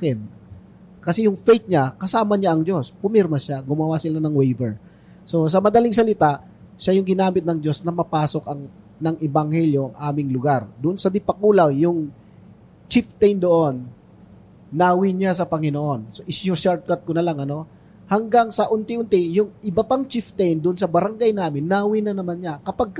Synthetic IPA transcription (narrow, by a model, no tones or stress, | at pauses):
kɛn | kɐsɛjʊŋfɛjt̪̚ɲakɐsaːmɐɲaʔɐŋd͡ʒo̞spʊmɛɾmɐʃaɡʊmɐwasɪlanɐŋwɛjvɛɹ | so̞s̬ɐmɐd̪ɐliŋs̬ɐlɪt̪aʔ | ʃajʊŋɡɪnaːmɪt̪̚nɐŋd͡ʒo̞snɐmɐpaːso̞kɐŋ | nɐŋʔɛbɐŋhɛljo̞ʔɐŋʔaːmɪŋlʊɡaɾd̪ʊʔonsɐd̪ɪpɐkuːlawjʊŋ | t͡ʃɪft̪ɛjnd̪oʔon | aːwɪɲas̬ɐpɐŋɪnoʔo̞nsoʔɪsjʊʃaɹt̪̚kat̪̚konɐlaŋɐno̞ | hɐŋɡaŋsɐʔʊnt̪ɪʔʊnt̪ɪjʊŋʔɪbɐpaŋt͡ʃift̪ɛjnd̪ʊʔonsɐbɐɾɐŋɡajnaːmɪnːaːwinɐnɐmanɲakɐpaɡ̚